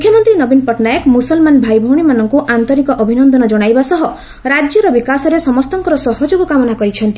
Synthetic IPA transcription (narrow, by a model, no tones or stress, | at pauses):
mukʰjɔmɔnt̪ɾinɔbinpɔʈnajɔkmusɔlmanbʱajbʱɔwɽ̃imanɔŋkuʔant̪ɔɾikɔʔɔbʱinɔnd̪ɔnɔd͡ʒɔɽ̃ajbasɔɦɔ | ɾad͡ʒjɔɾɔbikasɔɾesɔmɔst̪ɔŋkɔɾɔsɔɦɔd͡ʒoɡɔkamɔnakɔɾit͡ʃʰɔnt̪i